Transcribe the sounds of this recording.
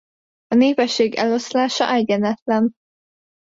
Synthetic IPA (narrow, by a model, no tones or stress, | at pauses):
ɒneːvɛʃːeːɡɛ̰lo̞slaːʃɒ̰ʔɛɟɛnɛt̪lɛn